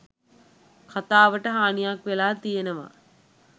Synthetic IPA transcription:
kʰat̪aːʋəʈəɦaːnijakʋelaːt̪ijenəʋa̰

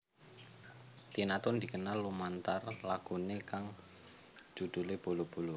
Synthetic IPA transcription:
t̪inat̪ʊnd̪i̤kənalːumant̪arlaɡ̥unekaŋ̥ | d͡ʒ̥ṳd̪̥ṳleb̥o̤lob̥o̤lo

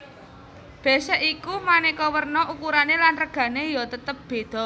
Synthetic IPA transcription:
b̥ɛ̤sɛʔikumanikɔwərnɔʔukuɾanelanrəɡ̥ä̤nejɔt̪ət̪əp̚b̥e̤d̪̥ɔ̤

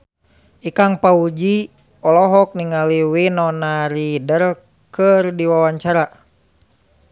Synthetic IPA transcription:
ʔikaŋpaud͡ʒi | ɔlɔɦɔk̚niŋaliwinɔnaɾidər | kərdiwawaɲt͡ʃaɾa

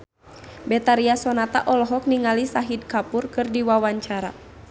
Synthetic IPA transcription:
bɛt̪aɾiasɔnat̪a̰ʔɔlɔɦɔk̚niŋalisaɦid̚kapurkɨrdiwawaɲt͡ʃaɾa̰

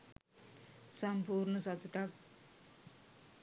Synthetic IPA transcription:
sɐmpuːɾnəsɐt̪uʈak̚

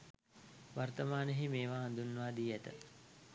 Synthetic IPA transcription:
ʋart̪əmaːnəɦimeːʋaːnd̪unːʋaːd̪iːæt̪ə̰

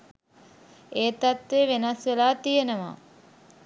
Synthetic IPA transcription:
eːt̪at̪ʋeʋenɐsʋelaːt̪ijenəʋa̰ː

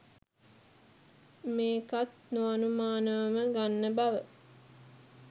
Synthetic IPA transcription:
meːkat̪nuɐnumaːnəʋɐməɡanːəbaʋə

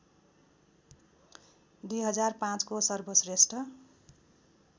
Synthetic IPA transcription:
d̪ujɦʌd͡zarpãt͡skosʌrbʱʌsresʈʰʌ

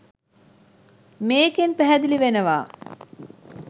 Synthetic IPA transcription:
meːkenpæɦæd̪iliʋenəʋa̰ː

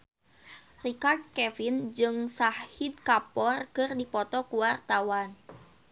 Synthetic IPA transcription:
rikard̪̚kɛfind͡ʒɨŋsahhid̪̚kapɔrkɨrdipɔt̪ɔkuwart̪awan

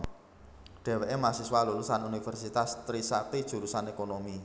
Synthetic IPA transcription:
ɖ̥e̤weʔemasiswaluɾusanunifɛrsit̪ast̪ɾisak̪id̥ʒ̥ṳɾusanekonomi

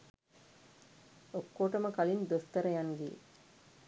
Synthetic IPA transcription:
okːoːʈɐməkɐlind̪ost̪ɐɾɐjaŋɡijḛ

